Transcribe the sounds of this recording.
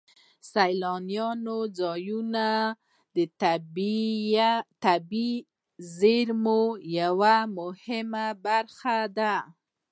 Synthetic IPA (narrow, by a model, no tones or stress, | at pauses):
sajlɑnjɑnod͡zɑjuna | d̪əb | t̪abi | zeɾmojawamʊhɪmabaɾxad̪a